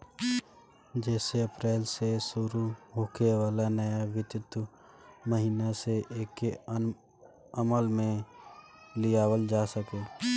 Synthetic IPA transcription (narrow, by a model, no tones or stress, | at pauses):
d͡ʒɛːseɐpɾɛːlsesʊɾuboːkʰeʋaːlanəjaʋɪt̪jʊt̪wə | məɦiːnaseʔeːkːe | əməlmẽ | lijaːwəld͡ʒaːsəkeː